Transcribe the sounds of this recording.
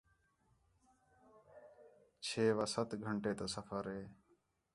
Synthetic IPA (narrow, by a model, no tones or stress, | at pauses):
t͡ʃʰeːʋəsət̪ɡʱəɳʈeːt̪oːsəfʰəɾɦeː